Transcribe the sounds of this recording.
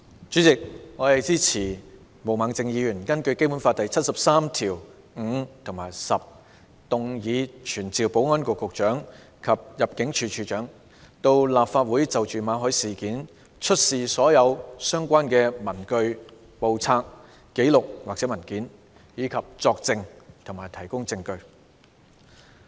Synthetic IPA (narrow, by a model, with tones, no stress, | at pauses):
t͡ʃyː˨˥t͡sɪ˨k̚ŋɔː˨˧hɐ˨jt͡siː˥t͡sʰiː˨˩ | mo˨˩wmaː˨˩ŋt͡sɪ˨˧ŋjiː˨˧jyː˨˩nkɐ˥nkɵ˧ɥke˥pu˨˥nfaː˧t̪̚ɐ˨jt͡sʰɐ˥t̚sɐ˨p̚saː˥mt̪ʰiː˨˩w | ŋ̩˨˧t̪ʰʊ˨˩ŋmaː˨˩jsɐ˨p̚ | t̪ʊ˨ŋjiː˨˧t͡ʃʰyː˨˩nt͡siː˨wpo˨˥wŋɔː˥nkʷɔ˧kːʊ˨k̚t͡ʃœː˨˥ŋ | kʰɐ˨p̚jɐ˨p̚kɪ˨˥ŋt͡ʃʰyː˨˧t͡ʃʰyː˧t͡ʃœː˨˥ŋ | t̪o˧wlaː˨p̚faː˧t̚wuː˨˥jt͡sɐ˨wt͡ʃyː˨maː˨˧ɦɔː˨˥jsiː˨˩kiː˨˥n | t͡ʃʰɵ˥t̚siː˨sɔː˨˥jɐ˨˧wsœː˥ŋkʷaː˥nkɛː˧mɐ˨˩nkɵ˧ɥ | po˨wt͡sʰaː˧k̚ː | e˨˥jlʊ˨k̚waː˨k̚t͡sɛː˨˥mɐ˨˩nkiː˨˥n | jiː˨˧kʰɐ˨p̚t͡sɔː˧k̚t͡sɪ˧ŋt̪ʰʊ˨˩ŋmaː˨˩jt̪ʰɐ˨˩jkʊ˥ŋt͡sɪ˧ŋkɵ˧ɥ